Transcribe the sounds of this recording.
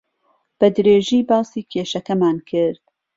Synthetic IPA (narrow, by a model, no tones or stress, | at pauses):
b̥ɐd̪ɾeːʒiːbɑːsiːkʰeːʃɐkɐmaːnkʰɪɾd̪̥